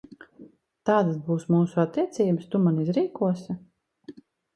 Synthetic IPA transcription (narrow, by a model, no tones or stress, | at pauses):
t̪aːd̪asbuːsmuːsuat̪ːiɛt̪siːbəst̪umanizɾiːkuɔsʲa